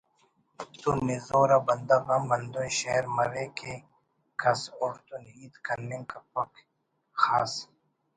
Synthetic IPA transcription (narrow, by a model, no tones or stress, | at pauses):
t̪unizoːɾabɐnd̪ɐɣabɐnd̪oːjʃeɾmɐɾeke | kɐsoɾt̪unɦiːt̪kɐnːĩŋkɐpɐk | xaːs